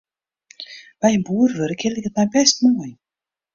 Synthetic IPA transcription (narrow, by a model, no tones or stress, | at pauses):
b̥ɛjənbuərvøɾəkʰɪlˠdɪkət̚mɛjbɛstmoəj